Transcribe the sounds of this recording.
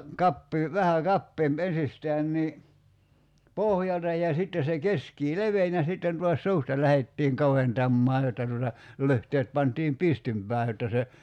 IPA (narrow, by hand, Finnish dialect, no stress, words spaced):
kɑpːiː ʋæhæ kɑpːeːmp ensistæːn niː pohjɑltɑ jɑ sitːe se keskiː leʋen jɑ sitːen tuɑs suːstɑ læhetːiːŋ kɑʋentɑmːɑː jotːɑ tuotɑ lyhteːt pɑntiːm pistympæː jotːɑ se